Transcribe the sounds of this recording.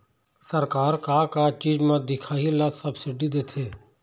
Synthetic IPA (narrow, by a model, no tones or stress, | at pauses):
səɾkaːɾkaːkaːt͡ʃiːzmãːd̪ɪkʰaːilaːsəbsɪɖid̪eːt̪ʰeː